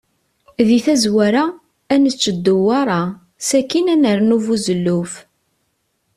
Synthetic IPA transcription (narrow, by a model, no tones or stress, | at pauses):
ðiθæzwæɾa | ænət͡sːəd̪ːuwɑɾˤɑ | sækːinænəɾnuvuzəlːuf